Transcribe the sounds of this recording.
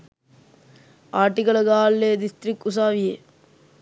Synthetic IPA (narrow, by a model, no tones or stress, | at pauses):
aːʈːikɐlɐɡaːlːeːd̪ɪst̪ɾɪkːus̬aːʋije